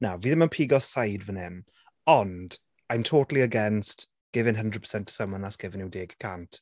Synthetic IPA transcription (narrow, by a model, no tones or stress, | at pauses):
nawviːðɪmənpʰiːɡɔssajdvənɪm | ɔnd̥ | ajmtʰoːtlˠiəɡɛnst | ɡ̥ɪvɪnɦəndrɹəd̚pʰə̥sɛntʰə̥səmənðasɡ̥ɪvɪnɪwdeːɡkʰantʰ